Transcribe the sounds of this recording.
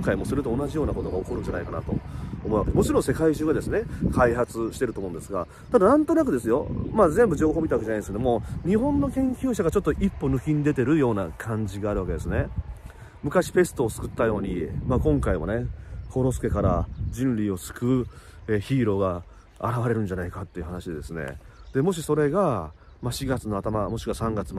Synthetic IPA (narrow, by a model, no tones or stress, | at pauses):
ŋkaimo̞sɨɾɯ̟t̪o̞ːnaʑijo̞ːnako̞t̪o̞ɡaokoɾɯ̟̃ɲ̟d͡ʑanaikana̰t̪o̞̰ːmo̞ɯβakemo̞t͡ɕiɾõ̞ɰ̃se̞kaiʑɨːɡad̪e̞sɨne̞kʰaihat͡sɨɕi̥t̪e̞ɾɯ̟t̪oːmõ̞ːnd̪e̞sɨɡa̰ | t̪ad̪anãnt̪o̞nakɯ̟d̪e̞sɨjo̞̰maːzẽ̞mbɯ̟ʑo̞ːɦomit̪aakeanaieske̞d̪omo̞ɲ̟iɦõ̞nːo̞kẽ̞ŋkʲɨːɕaɡat͡ɕo̞t̪ːoʔipːo̞nɯ̟kʲĩɲ̟id̪e̞t̪e̞ɾɯ̟jo̞ːnakʰãɲ̟d͡ʑiɡaːɾɯ̟βake̞d̪e̞sɨne | mɯ̟kaɕi̥pe̞st̪o̞ːsɨ̥kɯ̟t̪ːajo̞ːɲ̟imaːkõ̞ŋkaimo̞̰ne̞kʰo̞ɾo̞sɨ̥ke̞kaɾad͡ʑĩnɾʲio̞sɨ̥kɯ̟eçiːɾo̞ːɡa̰ː | ɾaβaɾe̞ɾɯ̟̃ɲ̟d͡ʑanaikat̪ːe̞iɯ̟hanaɕid̪e̞d̪e̞sɨne̞̰ | d̪̥e̞mo̞ɕ̬iso̞ɾe̞ɡa | maɕiɡat͡sɨno̞at̪amamo̞ɕi̥kɯβasãŋɡat͡sɨm